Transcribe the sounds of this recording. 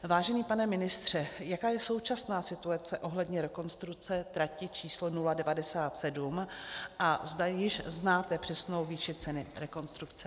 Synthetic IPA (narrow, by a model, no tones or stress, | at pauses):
vaːʒɛniːpanɛmɪnɪst̪r̝̥ɛjakaːjɛso̞wt͡ʃasnaːsɪt̪uat͡sɛʔo̞ɦlɛdɲɛɾɛko̞nst̪ɾukt͡sɛt̪ɾacɪt͡ʃiːslonuladɛvadɛsaːt̪sɛdumʔazdajɪʃznaːt̪ɛpr̥ɛsno̞wviːʃɪt͡sɛnɪɾɛko̞nst̪ɾukt͡sɛ